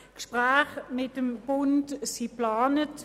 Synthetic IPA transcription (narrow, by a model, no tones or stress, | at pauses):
kʃpʁaːχmɪtəmb̥ʊntsiplɑːnət